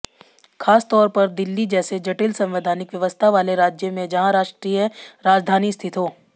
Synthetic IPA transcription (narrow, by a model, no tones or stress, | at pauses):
kʰaːst̪ɔːɾpɐɾd̪ɪlːid͡ʒɛːsed͡ʒɐʈɪlsɐ̃mʋɪd̪ʱaːnɪkʋjɐʋəst̪ʰaʋaːleɾaːd͡ʒjəmẽd͡ʒɐɦãɾaːʃʈɾiːjəɾaːd͡ʒd̪ʱaːnist̪ʰɪt̪oː